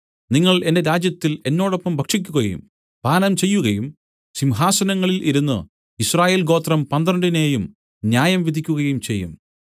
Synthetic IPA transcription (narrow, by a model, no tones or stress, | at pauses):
niŋːɐɭe̞nde̞ɾaːd͡ʑjɐt̪ːile̞nːo̞ːɽopːɐmbʱɐkʂik̬ʲːuɣɐjṵm | bʱaːnɐmt͡ɕe̞jːuɣɐjum | simɦaːsɐnɐŋːɐɭilʔiɾunːɨ̰ | israːje̞ːlɡo̞ːt̪rɐmpɐnd̪rɐɳɖine̞ːjum | njaːjɐmʋid̪ʱikʲːuɣɐjumt͡ɕe̞jːṵm